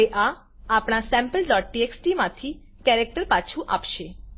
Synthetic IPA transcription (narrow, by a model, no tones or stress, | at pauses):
eʔa | apɳ̃asɛ̃mpəlɖɔʈ̚ːieksʈimãt̪ʰi | kɛɾek̚ʈəɾpat͡ʃʰuʔa̰pʃe